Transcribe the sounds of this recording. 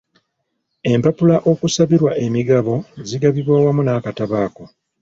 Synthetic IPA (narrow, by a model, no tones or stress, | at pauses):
e̞mpapulaʔo̞kusaβiɾwaʔe̞miɡaβo̞ziɡaβiβwaːwamunaːkataβaːko̞